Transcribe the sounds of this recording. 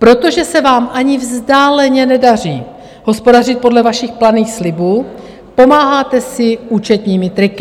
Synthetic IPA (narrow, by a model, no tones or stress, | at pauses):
pɾo̞t̪o̞ʒɛsɛvaːmʔaɲɪvzdaːlɛɲɛnɛdar̝iː | ɦo̞spo̞darɪt̪̚po̞dlɛvaʃɪxplaniːxslɪbuː | po̞maːɦaːt̪ɛsɪuːt͡ʃɛt̪ɲiːmɪt̪ɾɪkɪ